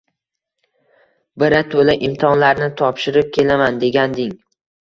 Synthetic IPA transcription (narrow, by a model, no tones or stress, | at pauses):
bɪɾat̪ʰolaʔɪmt̪ʰɒnlaɾnɪt̪ʰɒpʃɪɾɪp̚kʲʰe̞lamand̪e̞ɡʲand̪ɪŋ